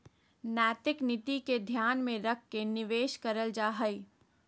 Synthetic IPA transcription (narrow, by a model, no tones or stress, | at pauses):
nɛːt̪ɪknɪt̪iked̪ʱjaːnmẽɾɐk̚ʰːenɪʋeːʃkəɾəld͡ʒaːɦəi